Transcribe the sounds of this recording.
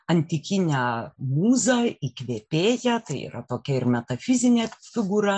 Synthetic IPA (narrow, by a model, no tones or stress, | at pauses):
ɐnʲt̪ʲɪkʲɪnʲæːmuːzɐikʋʲeːpʲeːjɛt̪ɐɪḭːɾɐt̪oːkʲɛɪɾmʲɛt̪ɐfʲɪzʲɪnʲeːfʲɪɡuɾɐ